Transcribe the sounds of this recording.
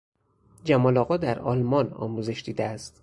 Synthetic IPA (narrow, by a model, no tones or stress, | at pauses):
d͡ʒæmɒːlɒːɣɒːd̪æɾɒ̰ːlmɒnɒ̰ːmuːze̞ʃd̪iːd̪eæst̪